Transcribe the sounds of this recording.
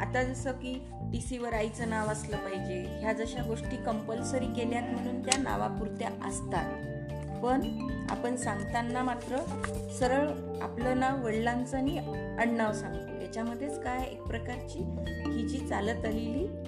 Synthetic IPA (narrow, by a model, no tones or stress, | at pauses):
a̰t̪ad͡zəsəkiː | ɖ̪isiʋəɾait͡sənaʋasləːpaɦid͡ʑeɦjad͡zəɕaɡoʂʈiːkəmpəlsəɾiːɡeljat̪m̤əɽ̃uːnt̪jana̰ʋa̰puɾt̪ja̰ʔə̰st̪at̪̚ | pəɳa̰pəɳsaŋɡt̪anːamat̪ɾə | səɾəɭ | a̰plənaʋʋəɽlant͡səni | əɽnaʋsãŋɡt̪o̰jat͡ɕaməd̪ʱːjet͡skajḛk̚pɾəkaɾt͡ɕiːkit͡ɕiːt͡salət̪aleliː